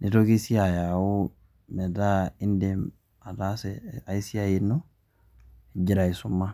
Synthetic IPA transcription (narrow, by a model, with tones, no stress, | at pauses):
ni˨to˦ki˦si˦a˨ja˨u˦ | me˨da˦i˦ndem | a˨dasea˨i˦si˦ajinːo˦ | e˨ɟi˦ɾa˨i˨sumːa˦